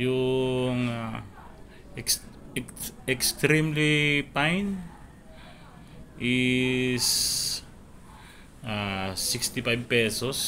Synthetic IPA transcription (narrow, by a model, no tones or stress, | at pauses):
juŋa | ekst̪ɾimlipajn | i | s | asikst̪ipajbpesos